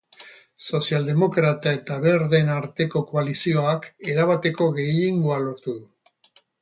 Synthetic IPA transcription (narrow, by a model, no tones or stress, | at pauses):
so̞siald̪e̞mo̞kɾat̪ae̞t̪aβe̞ɾðe̞naɾt̪e̞ko̞ko̞alisio̞ake̞ɾaβat̪e̞ko̞ɣe̞jeŋɡoalo̞ɾt̪uðu